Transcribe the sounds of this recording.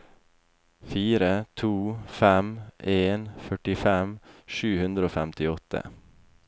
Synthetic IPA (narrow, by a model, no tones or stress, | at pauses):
fiːɾət̪ʰuːfæmʔeːnfœʈɪfɛmʃʉːhʉnd̪ɾəoːfæmt̪ɪɔt̪ʰə̰